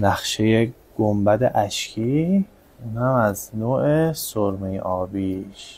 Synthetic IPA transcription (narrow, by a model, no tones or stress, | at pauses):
næxʃe̞jeɡ̥ombæd̪eʔæʃcʰiː | unhæmæznoːʔesoɾmejʔɒːbiːʃ